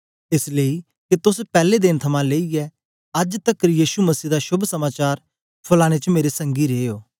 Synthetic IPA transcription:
ɪsləi | ket̪ʊspɛːled̪ɪnt̪ʰɐmãleːiɛ | ɐd͡ʒt̪əkɾjiːʃumɐsiːd̪aʃʊbsɐmaːt͡ʃaːɾ | pʰʊlaːɽ̃et͡ʃəmeːɾesə̃ŋɡiɾeːjoː

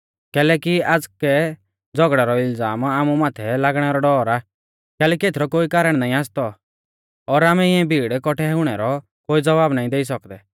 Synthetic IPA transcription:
kɛːlɛːkiaːd͡zkɛ | d͡zɔɡɽɛɾɔɪld͡zaːmaːmumaːt̪ʰɛlaːɡɽ̃ɛɾɔɖɔːɾaː | kɛːlɛːkiet̪ʰɾɔkoːikaːɾəɽ̃naːĩaːst̪ɔ | ɔɾaːmɛɪɛ̃bʱiːɽkɔʈʰɛɛʊɽ̃ɛɾɔ | koːid͡zɔʋaːbnaːĩd̪eis̬ɔkd̪ɛ

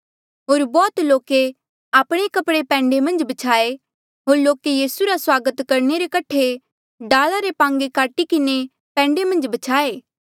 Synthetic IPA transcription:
ɦoːɾbɔːt̪loːke | aːpɽ̃ekɐpɽepɛ̃ːɳɖemɐ̃nd͡ʒbɐt͡ʃʰaːe | ɦoːɾloːkejiːsuɾaswaːɡət̪kɐɾneɾekɐʈʰe | ɖaːlaɾepãːŋɡekaːʈikɪne | pɛ̃ːɳɖemɐ̃nd͡ʒbɐt͡ʃʰaːeː

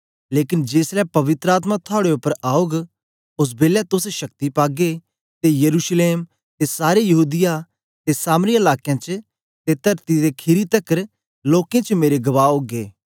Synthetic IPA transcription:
leːkɪnd͡ʒeːslɛpɐʋɪt̪ɾəaːt̪̬mãt̪ʰʊaːɽeʊpːəɾaːoːɡ | ʊs̬beːlɛt̪ʊseʃɐk̚t̪ipaːɡe | t̪ejɐɾuːʃleːm | t̪esaːɾejɐɦuːd̪ɪja | t̪esaːmɾiɐlaːkjãt͡ʃ | t̪et̪ɐɾt̪id̪ekʰɪɾit̪ɐkəɾ | loːkẽt͡ʃmeːɾeɡɐʋaːoːɡḛː

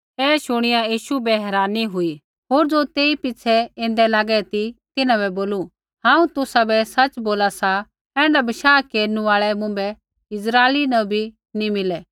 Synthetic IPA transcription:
ɛːʃʊɽ̃ɪjajiːʃubɛɦɛːɾaːniɦʊi | ɦoːɾd͡zot̪eːipɪːsʰɛẽːnd̪ɛlaːɡɛt̪it̪ɪnãβɛboːlu | ɦãːũt̪ʊsabɛsɐt͡ʃboːlasa | ɛ̃ːɳɖabɪʃaːkeːɾnũaːɭɛmʊ̃mbɛ | ɪzɾaːelinɐbʱi | nimɪlɛː

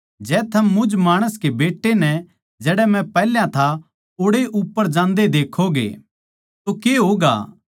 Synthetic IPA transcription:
d͡ʒɛːt̪ʰɐmːʊ̃d͡ʒmaːɽ̃əskebeːʈːenɛ | d͡ʒɛːɽɛmɛ̃pɛːljãt̪ʰa | oːɽeʔʊpːəɾd͡ʒãːnd̪ed̪eːkʰoɡḛː | t̪okeːɦoːɡa̰ː

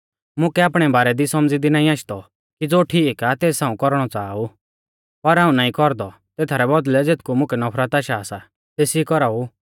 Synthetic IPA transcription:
mʊ̃kɛaːpɽ̃ɛbaːɾɛd̪isɔmd͡zid̪inaːĩaːʃd̪ɔ | kid͡zoːʈʰiːkat̪eːsãːũkɔɾɽ̃ɔt͡saːu | pɐɾɦaːũnaːĩkɔɾd̪ɔ | t̪eːt̪ʰaɾɛbɔd̪lɛd͡zeːt̪ʰkumʊ̃kɛnɔpʰɾat̪aːʃaːsa | t̪eːsikɔɾau

